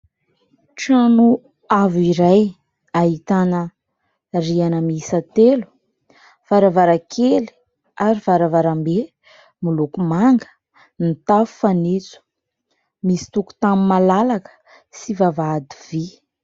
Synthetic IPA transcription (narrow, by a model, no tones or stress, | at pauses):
ʈ͡ʂanu | aviɾaj | aɦit̪anə | rianəmisət̪elu̥ | faɾavaɾakʰeli̥ | aɾivaɾavaɾambe | mulukumaŋɡə̥ | nit̪afu̥fanit͡su̥ | misi̥t̪uku̥t̪amimalalakə̥ | sivavad̪ivi